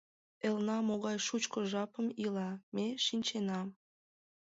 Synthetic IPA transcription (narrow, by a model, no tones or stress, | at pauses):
elnɑmoɣɑjʃut͡ɕkoʒɑpəmilɑmeʃinʲt͡ɕenɑm